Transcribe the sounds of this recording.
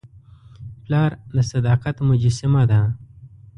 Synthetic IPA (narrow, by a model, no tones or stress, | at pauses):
plɑːɾd̪əsad̪ɑːqat̪mʊd͡ʒɪsɪmad̪a